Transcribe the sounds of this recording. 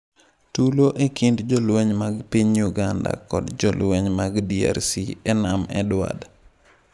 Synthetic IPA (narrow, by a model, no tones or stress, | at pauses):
tuloʔekindd͡ʒɔlweɲmaɡpiɲjuɡanda̰kɔdd͡ʒɔlweɲmaɡdia̰ɾsiɛnamɛ̰dwa̰d